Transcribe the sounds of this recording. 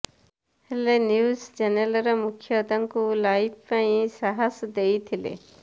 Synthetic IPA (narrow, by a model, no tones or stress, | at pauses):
helenjusd͡ʒenelɔɾɔmukʰjɔd̪aŋkulajp̚ʰpaĩsaɦasd̪ejt̪ʰilḛ